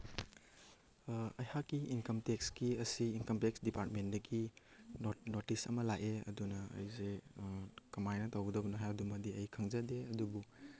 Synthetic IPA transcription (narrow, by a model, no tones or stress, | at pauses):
ɐjhakːiʔinkɐmtekskiɐsiːnkɐmtek̚sdipaɾt̚mendɐɡinonotisɐ̰mɐlaʔeɐ̰dunɐ̰ːjze | kɐmajnɐtawɡɐdɐbɐnɐɦajdumɐdiɐjkʰaŋzɐdeɐdubu